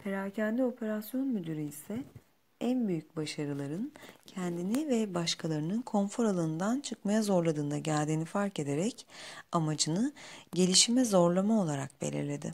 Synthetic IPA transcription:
pʰe̞ɾaːcʰænlʲio̞pʰe̞ɾasjo̞nmyd̪yɾiisɛ | ænbyjyc̚baʃaɾɯlˠaɾɯncʰɛnd̪inivɛbaʃkʰalˠaɾɯnɯnkʰo̞nfo̞ɾalˠɯːnd̪ant͡ʃʰɯkmajazo̞ɾlˠad̪ɯːnd̪aɟæɾʲd̪iːnifaɾce̞d̪e̞ɾɛcamad͡ʒɯnɯɟe̞lʲiʃimɛzo̞ɾlˠamao̞lˠaɾa̰k̚bḛlʲḭɾlʲe̞d̪ɪ̰

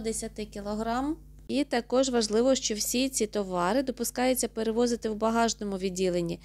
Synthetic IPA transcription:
d̪esʲɐt̪ɪkʲilˠɔɦɾɑm | it̪ɐkɔʒʋɐʒlˠɪʋɔʃt͡ʃɔwsʲit͡sʲit̪ɔʋɑɾɪd̪ɔpʊskɑjʊt͡sʲːɐpeɾeʋɔzɪt̪ɪwbɐɦɑʒnɔmʊʋʲidʲːilˠenʲːi

